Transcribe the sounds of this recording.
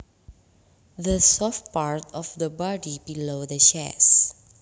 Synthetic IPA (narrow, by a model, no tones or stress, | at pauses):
dəsɔft̚paɹtɔfdəbɔdibilodəʃɛ̰s